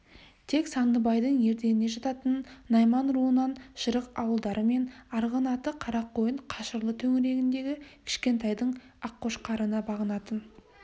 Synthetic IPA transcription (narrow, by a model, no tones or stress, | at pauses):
t̪ʰe̞ksɑnd̪əbɑjd̪əɴje̞ɾd̪e̞nɪne̞ʒɑt̪ɑt̪ənːɑjmɑnɾuənɑnʃəɾəqɑwəlˠd̪ɑɾʔəme̞nɑɾʁənɑt̪əqʰɑɾɑqːo̞jəɴqʰɑʃəɾlˠət̪ʰɵŋɪɾe̞ɡʲɪnd̪e̞ɡʲɪkʲʰɪ̥ʃkʲe̞nt̪ɑjd̪əɴ | ɑqːo̞ʃqʰɑɾənɑbɑʁənɑt̪ən